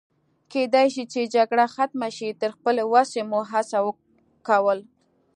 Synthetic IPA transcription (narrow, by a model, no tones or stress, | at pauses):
ked̪ajʃit͡ʃed͡ʒaɡɽaxat̪maʃit̪əɾxpəlewasemuɦasawə | kawəl